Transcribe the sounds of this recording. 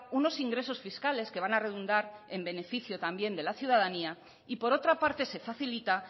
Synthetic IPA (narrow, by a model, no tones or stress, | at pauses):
uno̞siŋɡɾe̞so̞sfiskale̞ske̞β̞anare̞ðund̪aɾe̞mbe̞ne̞fiθjo̞t̪ambje̞nd̪e̞laθjuð̞aðania | ipo̞ɾo̞t̪ɾapaɾt̪e̞se̞faθilit̪a